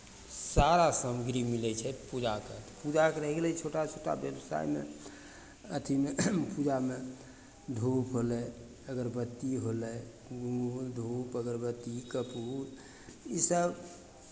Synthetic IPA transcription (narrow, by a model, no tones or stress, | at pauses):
saɾasəmɡɾimilɛt͡ʃʰɛpud͡ʒakət̪pud͡ʒakeɾəɦɛɡelɛt͡ʃʰoʈat͡ʃʰoʈa̰bjəbsa̰jmḛ | ət̪ʰimepud͡ʒame | d̪ʱupɦolɛ | əɡəɾbət̪ːiɦolɛ | ɡud̪ʱupəɡəɾbət̪ːikəpuɾ | isəb